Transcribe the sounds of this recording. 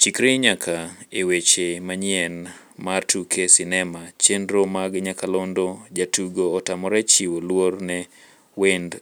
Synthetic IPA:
t͡ʃikɾiɲakʰaewet͡ʃemaɲɛnmartʰukʰesɪnɛmat͡ʃendɾomaɡɲakalondod͡ʒatuɡoːtamɔɾɛt͡ʃiwolwornɛ | wend

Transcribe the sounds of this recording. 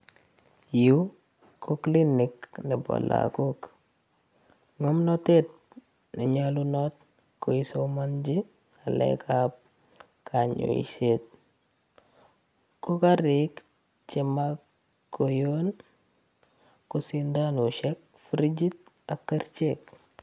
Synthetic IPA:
ju | kʰokliniknibo̰la̰kok | ŋomnɔtet̚ | niɲalunɔt̚ | koisomand͡ʒi | alɛ̰kʰap̚ | kʰaɲo̰ḭʃet̚ | kokaɾik | t͡ʃema | kːojon | kosindanuʃɛk̚ | fɾid͡ʒit̚ | akːəɾt͡ʃek

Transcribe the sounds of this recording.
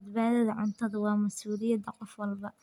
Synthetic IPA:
d̪baːðɐðɐʕʊnt̪ʰɐðɐwɑːmɐsuːlɪjɐd̪ɐqɔfwɑlbɐ

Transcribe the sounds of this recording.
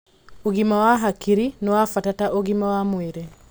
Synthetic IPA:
oɡimawaɦakiɾinɔwafatataʔoɡimawamweɾe

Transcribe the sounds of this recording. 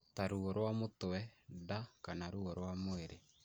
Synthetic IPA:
taɾuɣɔɾwamotoɛdakanaɾuɣɔɾwamoeɾe

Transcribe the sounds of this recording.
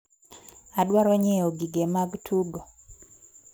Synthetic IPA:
adwaɾɔɲɛoɡiɡemaɡtʰuɡo

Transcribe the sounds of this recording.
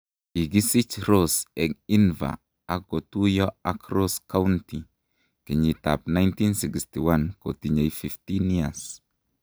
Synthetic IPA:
iɡisit͡ʃɾosɛkinva̰ | akɡotujoakɾoskawnti | keɲita̰p̚najntinsikstiwankotiɲajfiftinias

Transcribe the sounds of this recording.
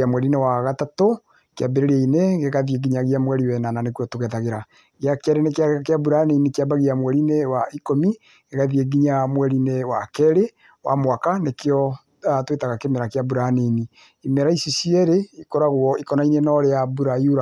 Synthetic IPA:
amwɛɾinewaɣatato | kjabeɾeɾeineɡeɣaðjeɡiɲaɣjamwɛɾiwɛnananekuɔtoɣɛðaɣeɾa | ɣjakɛɾenekakeabuɾaninikejabaɣiamwɛɾinewaikomi | ɡeɣaðieɡiɲamwɛɾinewakɛɾe | wʔa̰mwakanekjɔ | atwetaɣakemeɾakeabuɾaneni | imeɾaisisiɛɾeikoɾaɣoɔikɔnainenɔɾeabuɾajuɾa

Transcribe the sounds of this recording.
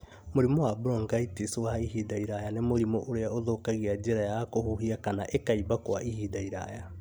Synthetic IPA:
moɾimɔwabɾɔŋɡaitiswaiɦidaiɾajanemoɾimoʔoɾeaoðokaɣiad͡ʒeɾajakohuɦiakanaʔekaibakwaʔihidaiɾa̰ja

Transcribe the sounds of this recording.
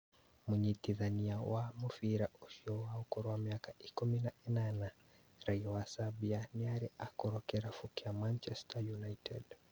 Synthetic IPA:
mɛɲitiðaniawʔamufiɾaʔusiɔwaukɔɾɔwamiakaikuminaɛnana | ɾaiɔwasabianiaɾiakɔɾɔkɛɾafukiamant͡ʃɛstʰajunajtʰɛd

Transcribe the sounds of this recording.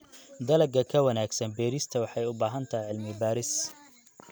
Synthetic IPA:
d̪ɐlɐɡɐkʰɐwɐnaːɡsɐnbɛːɾɪst̪ʰɐwɑħɑjʊbaːɦɐnt̪ʰɐʕɪlmɪbaːɾɪs

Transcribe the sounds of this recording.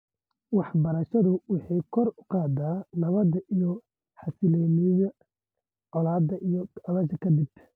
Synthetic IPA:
wɑħbɐɾɐʃɐðʊwɪħiːkʰɔrʊ̥qɑːd̪aːnɐβɐd̪ɐʔijɔ | ħɑsɪlɛːmijɐ | ʕɔlaːd̪ɐʔijɔɐlɐʃɐkʰɐd̪ɪb

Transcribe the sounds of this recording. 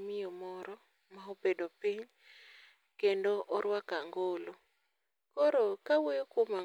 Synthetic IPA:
mɪjɔmɔɾɔ | maobedopiɲ | kendoʔɔɾwakaŋɡolo | kɔɾokawejokoma

